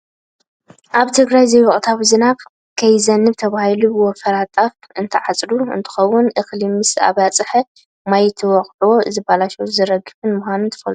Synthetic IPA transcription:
ʔaβt̪ʰɨɡɾajzejwɔχʼt̪ʰawizɨna | kʰɐjzɐnːɨβt̪ʰɐβahilubɨwɔfɐɾat̪ʼaf | ɨnt̪ʰɨʕat͡sʼɾuɨ̰nt̪ʰɨ̥xɐwːʊnʔɨxlimɨsa̰βat͡sʼɨħɐ | majt̪ʰɨwɔχʼlwoɨzɨbalaʃɐwuzɨɾɐɡɨfɨnmʊxʷanɨnt̪ʰɨ̥fɐlt̪ʼu

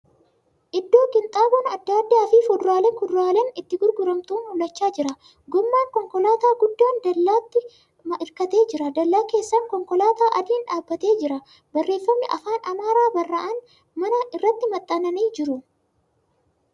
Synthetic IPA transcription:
ʔɪd̪ːo̞ːkɪnt̪ʼaːbɔnɐd̪ːaːd̪ːaːfiːfʊd̪ʊɾaːlɛkʊd̪ɾaːlɛnɪt̪ːɪɡʊɾɡʊɾɐmt̪uːnhʊlɐt͡ʃːaːd͡ʒɪɾɐ | ɡɔmːaːŋkɔŋkɔlaːt̪aːɡʊd̪ːaːnd̪ɐlːaːt̪ːɪ | ɪɾkɐt̪e̞ːd͡ʒɪɾɐd̪ɐlːaːke̞ːsːɐŋkɔŋkɔlaːt̪aːʔɐd̪iːnᶑaːbːɐt̪e̞ːd͡ʒɪɾɐ | bɐrːe̞ːfːɐmnɪʔɐfaːnʔɐmaːɾaːbɐrːɐʔɐn | mɐnɐɪrːɐt̪ːɪmɐt̪ʼːɐnɐniːd͡ʒɪɾʊ

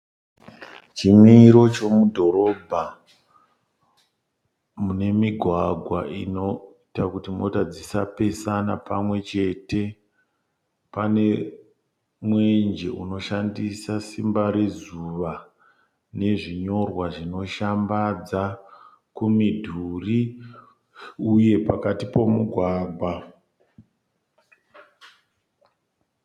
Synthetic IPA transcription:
t͡ʃimiɾo̞t͡ʃo̞mudʱo̞ɾo̞bʱa | mune̞miɡʱwaɡʱwa̰ʔinoitakutimo̞tad͡zisape̞sanapamwe̞t͡ʃe̞te̞ | pane̞ | mwe̞nd͡ʒe̞ʔuno̞ʃandisasimbaɾe̞zuʋa | ne̞ʐiɲo̞rwaʐino̞ʃambad͡za | kumidʱuri | uje̞pakatipo̞muɡʱwaːɡʱwa

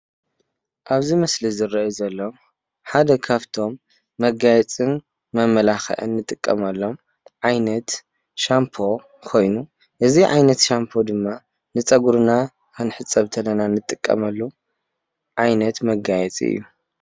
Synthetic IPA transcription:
ʔaβzimɐslizɨrɐʔuzɐlːo̞m | ħad̪ɐkʰaβt̪ʰo̞mː | ɐɡajɛt͡sʼɨn | mɐmːɐlaxɐ̰ʔɨ̰nːɨt̪ʼɨkʼːɐ̰mɐlːo̞m | ʕajnɐt̪ | ʃampʰo̞ | kʰo̞jnu | ʔɨziʕa̰jnɐt̪ʃampʰo̞d̪ɨmːa | nɨt͡sʼɐɡuɾna | kʰɨnħɨt͡sʼːɐβt̪ʰɐnɐnanɨt̪ʼɨkʼːɐ̰mɐlːu | ʕajnɐt̪mɐɡajɛt͡sʼiɨ̰jːu

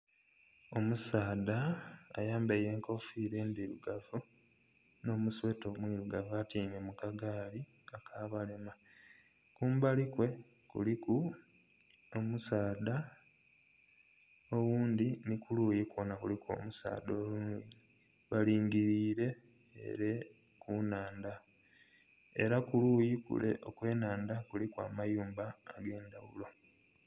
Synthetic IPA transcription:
o̞musaːda̰ːjaːmbeje̞ːŋko̞fiɾe̞ːnd̪iɾuɡavu | no̞ːmuswe̞to̞ːmwiɾuɡavuatiːmemukaɡaːli | akʰaːβalema | kuːmbalikwe̞ | kṵliku | omusaːd̪a | owuːnd̪inikulujikwo̞nakulikwo̞̰ːmusa̰ːd̪oːlunwii | βaliːŋɡiɾiːɾe̞̰ː | ɾe | kunaːnd̪a | e̞̰ɾakuluːjikṵlḛʔo̞kwe̞ːnaːnd̪akulikwa̰ːmajuːmbaːɡe̞ːnd̪awulo̞

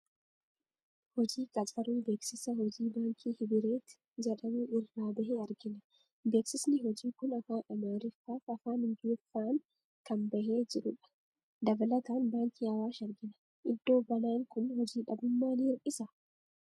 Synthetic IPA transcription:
hɔd͡ʒiːkʼɐtʼɐɾuːbe̞ːksɪsɐɦɔd͡ʒiːbaːŋkʰiːhɪbɪɾeːt̪ɪ̥ | d͡ʒɛᶑɐmuːʔɪrːaːbɐheːɐɾɡɪnɐ | be̞ːksɪsnɪɦɔd͡ʒiːkʊnɐfaːʔɐmaːɾɪfːaːfɐfaːnɪnd͡ʒuːfːaːŋ | kɐnbɐheːd͡ʒɪɾʊᶑɐ̥ | d̪ɐbɐlɐt̪aːnbaːŋkiːɐwaːʃɐɾɡɪnɐ̥ | ʔɪd̪ːo̞ːbɐnaːŋkʊnhɔd͡ʒiːᶑɐbʊmːaːniːɾʔɪsɐ

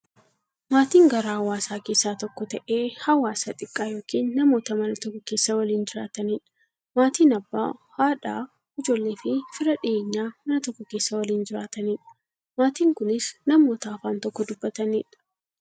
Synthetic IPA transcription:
maːt̪iːŋɡɐɾaːhɐwaːsaːke̞ːsːaːt̪ɔkːɔt̪ɐʔeːhɐwaːsɐt̪ʼɪkʼːaːjo̞ːkiːnːɐmo̞ːt̪ɐmɐnɐt̪ɔkːɔke̞ːsːɐwɐliːnd͡ʒɪɾa̰ːt̪ɐniːᶑ | maːt̪iːnɐbːa̰ːhaːᶑa̰ː | ɪd͡ʒo̞ːlːe̞ːfɪfɪɾɐᶑɪʔe̞ːɲːaːmɐnɐt̪ɔkːɔke̞ːsːɐwɐliːnd͡ʒɪɾaːt̪ɐniːᶑɐ̥ | maːt̪iːŋkʊnɪsnɐmo̞ːt̪ɐːfaːnt̪ɔkːɔd̪ʊb̥ːɐt̪ɐniːᶑɐ̥

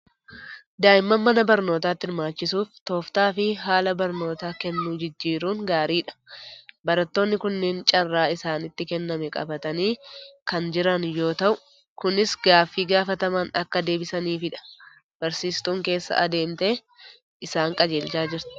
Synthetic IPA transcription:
d̪aːʔɪmːɐmːɐnɐbɐɾno̞ːt̪aːt̪ːɪɾmaːt͡ʃːɪsuːft̪o̞ːft̪aːfɪɦaːlɐbɐɾno̞ːt̪aːkɛnːuːd͡ʒɪd͡ʒːiːɾuːŋɡaːɾiːᶑɐ̥bɐɾɐt̪ːo̞ːnːɪkʊnːɛnt͡ʃʼɐrːaːɪsaːnɪt̪ːɪkɛnːɐmɛkʼɐ̰bɐt̪ɐniːkɐnd͡ʒɪɾɐnjo̞ːt̪ɐʔʊ | kʊnɪsɡaːfːiːɡaːfɐt̪ɐmaːnɐkːɐd̪e̞ːbɪsɐniːfɪᶑɐ̥ | b̥ɐɾsiːst̪uːŋke̞ːsːɐ̰ʔɐd̪e̞ːnt̪e̞ː | ʔɪsaːŋkʼɐd͡ʒe̞ːlt͡ʃaːd͡ʒɪɾt̪ɪ̥

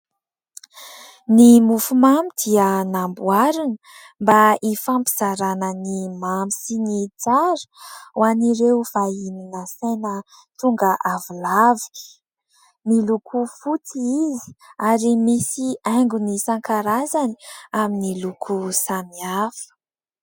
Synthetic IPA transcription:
nimufumamid̪̥iənambuaɾinə | mbaifampi̥z̥aɾanənimamisinit͡saɾə̥waniɾeuv̥aininəsejnə | t̪uŋɡəʔavulavi̥ | nilukʰufut͡siizi̥aɾimisiaŋɡunisaŋkaɾazaniaminilukʰusamiafə̥

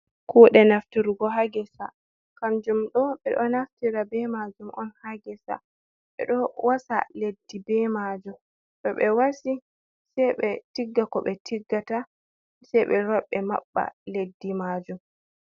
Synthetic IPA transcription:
kɔɗɛnaftiɾuɡɔɦaɡɛsa | kamd͡ʒumɗɔɓɛɗɔnaftiɾabɛmad͡ʒumʔɔnhaɡɛsa̰ | ɓɛ̰ɗɔwasa̰ledːibɛmad͡ʒum | ɗɔɓɛwasi | sɛjɓɛtiɡːakɔɓɛtiɡːata | sɛjɓɛɾɔɓːɛma̰ɓːa̰ledːimad͡ʒum

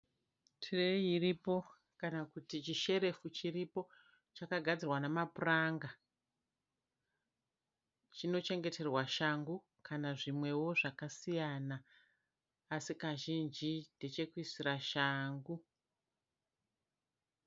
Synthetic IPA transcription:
tʰirejiripo̞ | kanakutit͡ʃiʃe̞ɾe̞fut͡ʃiripo̞ | t͡ʃakaɡʱad͡zirwanamapuraŋɡa | t͡ʃino̞t͡ʃe̞ŋɡe̞tʰe̞rwaʃaŋɡu | kʰanaʐimwe̞wo̞ʐakasijanaː | sikaʒind͡ʒide̞t͡ʃe̞kuisiraʃaːŋɡu

